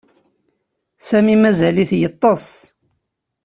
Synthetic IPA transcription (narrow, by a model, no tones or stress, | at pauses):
sæmimæzæliθjət̪ˤːɑs